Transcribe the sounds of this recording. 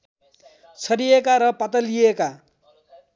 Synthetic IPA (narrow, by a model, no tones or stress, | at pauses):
t͡sʰʌɾiekaɾʌpat̪ʌlieka